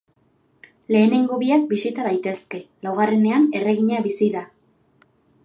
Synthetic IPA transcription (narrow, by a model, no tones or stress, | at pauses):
le̞ːne̞ŋɡo̞βiak̚bisit̪aðajt̪e̞ske̞lawɣare̞ne̞ane̞re̞ɣiɲaβisiða